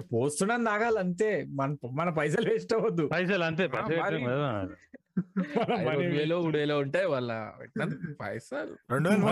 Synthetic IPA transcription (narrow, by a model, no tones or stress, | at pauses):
poːst̪unːaːnd̪aːɡaːlɐnt̪eːmɐnɐmɐnɐp̬ɐjs̬ɐːlʋeːsʈɐʋɐd̪ːupɐjsɐlɐnt̪̬eːpɐjɐɐɐɐda | mɐnɐɐʋeːloːuːɽʋeːloːuɳʈaːjʋɐlːɐ̰ḛʈnɐnipɐ̰jsaːlɾeɳɖun